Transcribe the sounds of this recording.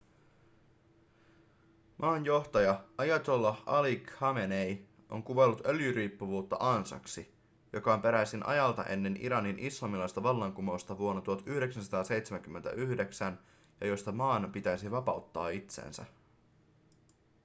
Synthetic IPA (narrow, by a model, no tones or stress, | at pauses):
mʔɑːnjo̞ht̪ɑjɑɑjɑt̪o̞lːɑɑlikhɑmenej | ʔo̞̰ŋkuʋelːut̪øljyɾiːpːuʋuːt̪ːɑ̰ʔɑnsɑ̰ksi | jo̞kɑompe̞ɾæsinʔɑ̰jɑlt̪ɑ̰ʔe̞̰nːe̞nʔḭɾɑninʔislɑmilɑjst̪ɑʋɑlːɑŋkumo̞st̪ɑʋuonːɑt̪uɑt̪yhdeksænsɑt̪ɑːse̞jt̪semæŋk̟ymːent̪æ̰ʔyhde̞ksæn | jɑjost̪ɑmɑːnpit̪æjsiʋɑpɑut̪ːɑ̰ːit̪sḛːnsæ̰